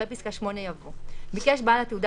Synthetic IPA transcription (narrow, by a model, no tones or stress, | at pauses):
episkaʃmo̞nejavomikeʃbalat̪eud̪a